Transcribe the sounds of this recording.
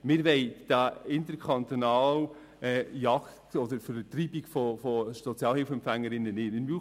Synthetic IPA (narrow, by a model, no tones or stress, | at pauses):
mɪɾʋɛɪd̥aɪnt̪əɾkʰχɑnt̪onɑːl | ɛjɑkttɔdəɾfəɾt̪riːbikfɔfɔʃsɔt͡sjɑːlhɪlfɛmpfæŋːəɾɪnːənɪɪmy